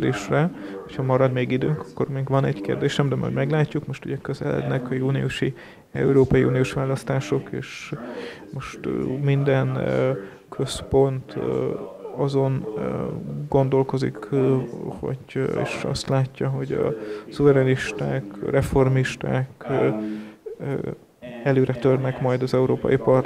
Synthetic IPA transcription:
d̪eːʃrɛho̞chɒmɒɾɒd̪meːɡid̪øːŋkɒ̥kːo̞rmeːɡʋɒnɛɟkḛːrd̪eːʃɛmd̪ɛmɒ̰jɟmɛɡlaːcːukmo̞ʃt̪uɟɛkøzɛ̰lɛ̰d̪nɛkɒjuːniuʃi | ɛ̰uɾoːpɒjiʔuːniuʃʋaːlɒst̪aːʃo̞kḛːʃ | mo̞ʃt̪mind̪ɛn | kʰø̞spo̞nt̪ | ɒzo̞n | ɡo̞nd̪o̞lko̞zḭk | ho̰ɟḛːʃɒ̰st̪laːcːɒɦoɟɒ̰suvɛɾɛniʃt̪aːkrɛfo̞rmiʃt̪a̰ːk | ɛløːɾɛt̪ørnɛkmɒjd̪ɒzɛuɾoːpɒ̰jipɒr

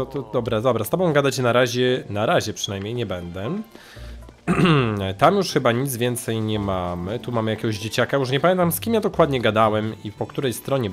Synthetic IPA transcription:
t̪ɔt̪ɔd̪ɔbɾad̪ɔbɾast̪ɔbɔ̃w̃ɡad̪at͡ɕɛnaɾaʑɛnaɾaʑɛpʂɨnajmɲejɲɛbɛnd̪ɛ | t̪amjuʂxɘbaɲid̪zvʲjɛnt̪sɛjɲɛmamɘt̪umamɘjakʲɛɡɔʑd͡ʑet͡ɕakajuʂɲɛpamʲɛnt̪amskʲimjad̪ɔkwad̪ɲɛɡad̪awɛmipɔkt̪uɾɛjst̪ɾɔɲɛ

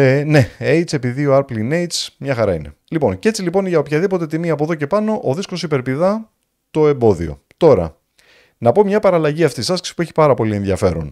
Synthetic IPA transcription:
ne̞ejt͡se̞piðioɐɾplinejt͡smɲɐxɐɾɐ̰ine̞̰lipo̞̰nce̞t͡silipo̞nʝɐopçɐðipo̞t̪e̞t̪̬imiɐpo̞ðoce̞pɐno̞ʔoðiskosipe̞ɾpiðɐ | t̪o̞e̞mbo̞ðḭo̞̰ | t̪o̞ɾɐ̰ | nɐpo̞mɲɐpɐɾɐlɐʝiɐft̪isɐsksi̥pueçi̥pɐɾɐpo̞lie̞nðʝɐfe̞ɾo̰n

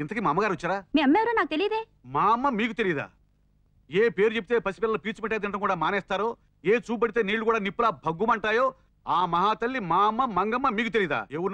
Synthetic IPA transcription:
int̪ɐk̬iːmaːmːɐɡaːɾiɐt͡ʃːaːɾaːmiɐmːeːɾoːnaːk̚t̪elijd̪eː | maːmːɐmiːkut̪e̞lijd̪a̰ː | eːpe̞ːɾut͡ʃepit̪eːpɐsi̥pɛlɐlɐpiːt͡ʃmɛʈːaːd̪ɐnɳʈ̬ɐŋkuːɽaːmaːnɛːst̪aːɾoː | eːt͡ʃuːbɐɽit̪eːniːɭːukuːɽaːnipːulaːbʱɐɡumɐɳʈaːjo̞ː | aːmɐɦaːt̪ɐlːimaːmːɐmɐŋɡɐmːɐmiːkut̪̬elijɐd̪a̰ːewuɾun

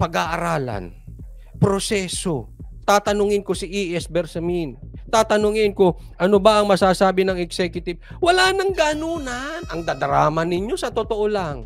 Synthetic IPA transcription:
pɐɡaʔɐɾaːlɐ̰n | pɾosɛːsot̪aːt̪ɐnʊŋɪnkosɪʔiʔɛsbɛɾsɐmint̪aːt̪ɐnoŋɪnkoʔɐnobɐʔɐŋmɐsaːsaːbɪnɐŋɛksɛkjʊt̪ɪb̚ | wɐlaːnɐŋɡanuːnanʔɐŋd̪ad̪ɾaːmɐnɪɲjo̞sɐt̪ot̪oʔolaŋ

